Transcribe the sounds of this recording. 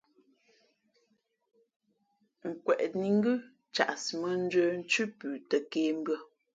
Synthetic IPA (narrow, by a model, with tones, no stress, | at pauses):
ŋ̩˨kwɛ˨ʔni˨˦ŋ̩˦ɡʉ˦ | t͡ʃa̰˨ʔsmə˨n̩˦d͡ʒwə˦n̩˦t͡ʃʉ˦pʉː˨tə˨keː˨˦m̩˦bɰə˦